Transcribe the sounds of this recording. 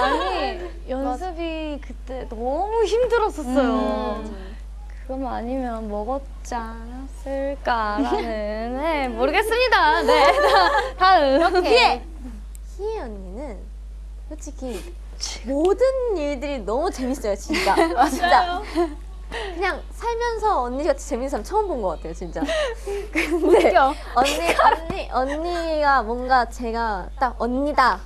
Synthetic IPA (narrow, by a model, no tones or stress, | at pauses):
aɲi | jʌnsʰɯbikɯt͈e̞nʌmuçimdɯɾʌs͈ʌs͈ʌjo | kɯɡʌmaɲimjʌnmʌɡʌt̚ | t͡ɕ͈a | nas͈ɯɭk͈aɾanɯnemoɾɯɡe̞s͈ɯmɲidane | taɯkeie | çiejʌnːinɯn | jot͡ɕʰiki | modɯniɭdɯɾinʌmut͡ɕe̞mis͈ʌjot͡ɕint͡ɕ͈at͡ɕit͡ɕ͈a | kɯɲaŋ | sʰaɭmjʌnsʰʌʌnɲːikat͡ɕʰi̥t͡ɕe̞mins͈ʰamt͡ɕʰʌʌmbonɡʌk͈atʰe̞jot͡ɕint͡ɕ͈akɯnde̞ | ʌnːiʌnːiʔʌnːiɡamwʌnɡat͡ɕe̞ɡat͈aʌnːida